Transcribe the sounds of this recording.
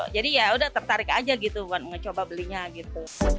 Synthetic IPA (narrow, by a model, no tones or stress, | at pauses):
d͡ʒadijaudaht̪ərt̪aɾɪkad͡ʒaɡit̪umanŋət͡ʃobabəliɲaɡit̪u